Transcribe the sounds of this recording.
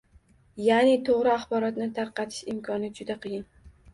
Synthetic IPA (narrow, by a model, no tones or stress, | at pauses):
janɪt̪ʰoʁɾɪaχbɒɾɒt̪nɪt̪ʰaɾqɑt̪ʰɪ̥ʃɪmkʰɒnɪd͡ʒʊd̪aqʰɨjɪn